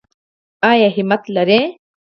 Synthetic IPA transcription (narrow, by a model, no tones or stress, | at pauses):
aːjaɦimɐt̪lɐɾẽː